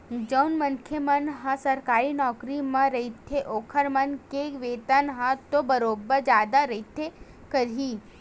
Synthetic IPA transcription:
d͡ʒəʊnmɐŋkʰjemənɦãsɐɾkaːɾinɔːkɾimãɾɐit̪ʰːeʔoːkʰəɾmɐnkeʋeːt̪ənɦãt̪obɐɾoːbəɾd͡ʒjaːd̪aɾɐɦit̪ʰe | kəɾiː

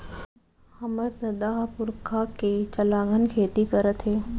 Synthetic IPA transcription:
hɐməɾt̪ɐd̪aːɦpʊɾkʰaket͡ʃɐlaːɡʱənkʰeːt̪ikɐɾət̪ɦeː

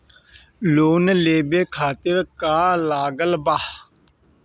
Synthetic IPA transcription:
loːnleːbeːkʰaːt̪ɪɾkaːlaːɡəlbaːh

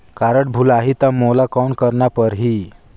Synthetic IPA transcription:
kaɾəʈ̚bʱulaɦit̪amolakɔnkəɾɳapəɾɦiː

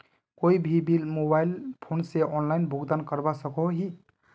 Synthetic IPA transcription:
koibʱibilmobailpʰonseʔɔnlaɪnbʱuɡd̪ankəɾbasəkoɦi

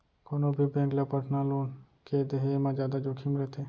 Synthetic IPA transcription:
konobʱibẽːklapəʈʰnaloːn | ked̪eɦemãd͡ʒaːd̪ad͡ʒokʰimɾɛt̪ʰe

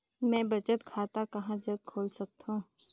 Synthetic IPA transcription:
mɛ̃ːbɐt͡ʃət̪kʰaːt̪akɐɦãd͡ʒəɡ̪̚kʰoːlsɐk̚t̪ɦũː

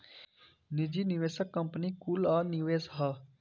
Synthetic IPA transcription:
nɪd͡ʒiːniʋeːsəkːɐmpnikulaːniʋeːsɦa

